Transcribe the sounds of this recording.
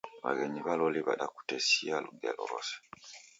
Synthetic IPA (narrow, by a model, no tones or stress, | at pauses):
βa̰ɡeɲiβaloliβa̰ɗaku̥tesialuɡelo̰ɾo̰se̥